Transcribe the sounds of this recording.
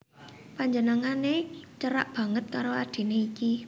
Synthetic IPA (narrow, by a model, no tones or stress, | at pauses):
paɲd͡ʒənəŋanet͡ʃəɾaʔb̥ä̤ŋət̪̚kaɾoad̪̥e̤neiki